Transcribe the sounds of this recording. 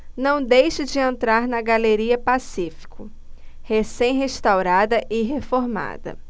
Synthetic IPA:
nɐ̃w̃d̪ejʃɐd͡ʒɪẽnt̪ɾaɾnɐɡaleɾiɐpasifi̥kʰʊ | hesẽj̃ɦeʃt̪awɾad̪ɐʔɪɦefoɾma̰d̪ɐ̰

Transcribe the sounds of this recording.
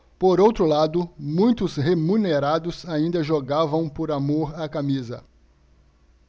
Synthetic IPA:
poɾowt̪ɾʊlad̪ʊmũj̃t̪ʊsɦemũneɾad̪ʊsaĩnd̪ɐʒoɡavɐ̃w̃poɾamoɾakamizɐ̰

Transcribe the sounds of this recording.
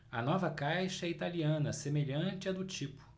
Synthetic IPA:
ɐnɔvɐkajʃɐɛit̪aliɐ̃nɐsemeʎɐ̃t͡ʃɪɐd̪ʊt͡ʃipʊ̥

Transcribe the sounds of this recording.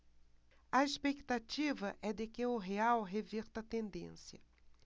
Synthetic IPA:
ɐespekt̪at͡ʃivɐʔɛd̪ɪkɪʊɦeawɦeviɾt̪ɐt̪ẽnd̪ḛ̃sjɐ

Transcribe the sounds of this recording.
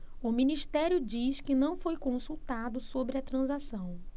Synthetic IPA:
ʊmĩniʃt̪ɛɾjʊd͡ʒiʃkɪnɐ̃w̃fojkõsuwt̪ad̪ʊsobɾɪɐt̪ɾɐ̃zasɐ̃w̃

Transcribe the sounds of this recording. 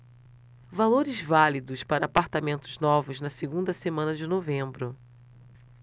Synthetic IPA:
valoɾɪzvalid̪ʊspaɾɐːpaɾt̪amẽnt̪ʊznɔvʊznɐseɡũnd̪ɐsemɐ̃nɐd͡ʒɪnovẽmbɾʊ

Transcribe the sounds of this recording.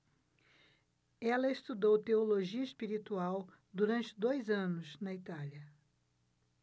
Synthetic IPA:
ɛlɐɪst̪ud̪owt̪eoloʒiɐɪspiɾit̪uaw | d̪uɾɐ̃nt͡ʃɪd̪ojzɐ̃nʊznɐit̪aljɐ

